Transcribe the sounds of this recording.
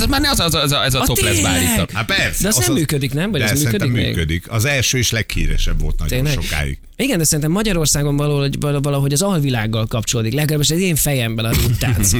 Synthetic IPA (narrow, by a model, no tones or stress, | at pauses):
ɛmaːrnɛɒzzɛzɛzɒtot̪lɛzvaːliːtːkapɛɾsd̪ɛɒznɛmːyːkød̪iknɛmvɒjɛmyːkød̪immyːḛɡkød̪ikɒzɛlʃøːeʃlɛkhḭːɾɛ̰ʃɛbvo̞lt̪nɔ̰ɟt̪eːnlɛɛɡʃoka̰ːjḭɡ | iɡɛnd̪ɛsɛɾint̪ɛmːɒɟɒɾo̞rsaːɡo̞ɱvɒloːovɒlɒɦo̞ɟɒzɒlvilaːɡːɒlkɒpt͡ʃoloːd̪iklɛɡɒɡlaːbiʃɛzeːɱfɛjɛmbɛnɒut̪ːaːz